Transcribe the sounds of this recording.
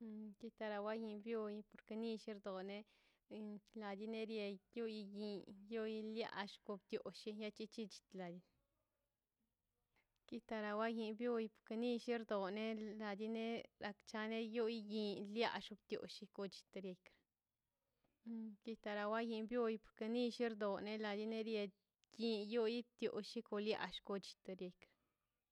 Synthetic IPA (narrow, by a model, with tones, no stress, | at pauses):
ki˦t̪a˧ɾa˧wa˦ji˧bjo˦jpo˨ɾke˧ni˧ʃi˦ɾd̪o˨ne˦ | la˨d̪i˦ne˦ɾje˧ju˦ji˧ji˨˧jo˦jlja̰˦ʔʃko˧bt̪jo˨ʃi˧ja˦t͡ʃi˦t͡ʃi˦t͡ʃi̥˧t̪la˨d̪i˧n | ki˦t̪a˧ɾa˧wa˦ji˧bjo˦jpo̥˨ɾke˧ni˧ʃi˦ɾd̪o˨ne˦la˨d̪i˦ne˦ɾa˧kt͡ʃa˧ne˦jo˦jji˧lja̰˦ʃu˧b̚t̪jo̰˨ʃi˧ko˧t͡ʃi̥˧t̪e˧ɾje˧kɾḁ˨˦ | ki˦t̪a˧ɾa˧wa˦ji˧bju˦jpo̥˨ɾke˧ni˦ʃi˦ɾd̪o˨ne˦la˧d̪i˦ne˦ɾje˧ | ji˧jo˦ji˦b̚t̪jo̰˨ʃi˦ko˧lja̰˧ʃko˧t͡ʃi̥˧t̪e˧ɾje˧kɾa